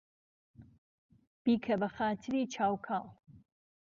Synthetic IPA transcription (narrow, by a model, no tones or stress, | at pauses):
b̥iːkʰɐbɐxaːt̪ʰɨɾiːt͡ʃʰaːwkʰaːlˠ